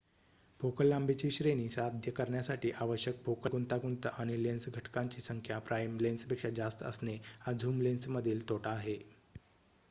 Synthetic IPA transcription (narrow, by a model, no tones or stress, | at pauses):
bʱokəlːambʱet͡ɕiːɕɾeñiːsad̪ʱjəkəɾɳjasaʈiːʔaʋəɕjək̚fokəɡunt̪aɡunt̪əʔaɽ̃ilensɡʱəʈkaɲt͡ɕiːsəŋkʰjapɾʔajmlenspekʂad͡ʑast̪ə̰snead͡zʱuːmlensməd̪ʱiːlt̪oʈaːɦe